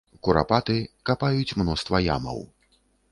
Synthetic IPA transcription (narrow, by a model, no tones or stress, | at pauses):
kuɾa̰pat̪ɨkapajut͡sʲmnɔst̪vɐja̰mɐ̰w